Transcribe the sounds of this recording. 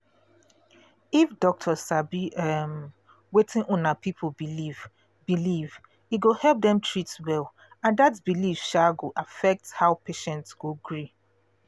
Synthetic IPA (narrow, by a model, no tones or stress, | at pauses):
ifdɔk̚tʰɔsabiɛm | wetʰɪ̃nʔɔ̃napʰipʰobiliv | biliv | iɡohɛlˠp̚dɛ̃mtʰɹitwɛl | ãndatbilifʃaɡoʔafɛk̚tshaʊpʰeʃɛ̃ntsɡ̥oɡɹi